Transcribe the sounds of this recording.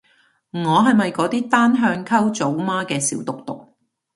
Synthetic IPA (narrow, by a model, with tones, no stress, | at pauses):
ŋɔː˨˧ɦɐ˨jmɐ˨jkɔː˨˥t̪iː˥t̪aː˥nɦœː˧ŋkʰɐ˥wt͡so˨˥wmaː˥kɛː˧siː˨˥wt̪ʊ˨k̚t̪ʊ˨k̚